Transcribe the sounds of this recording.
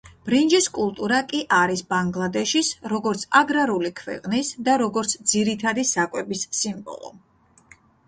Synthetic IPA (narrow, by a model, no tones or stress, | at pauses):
b̥ɾind͡ʒiskʼulˠt̪ʼuɾakʼiʔaɾisbaŋɡlˠad̪ɛʃisɾɔɡɔɾt̪sʰaɡɾaɾulikʰvɛ̰qʼnisd̪aɾɔɡɔɾt̪sʰd̪ziɾit̪ʰad̪isakʼwɛbisːimbɔ̰lˠɔ̰